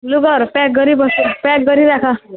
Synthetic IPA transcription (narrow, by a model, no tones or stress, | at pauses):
luɡɔɾpɛk̚ɡʌɾibɔsupɛk̚ɡʌɾiɾakʰa